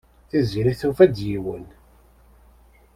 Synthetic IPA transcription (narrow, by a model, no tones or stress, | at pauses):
θiziɾiθufæd̪jiwən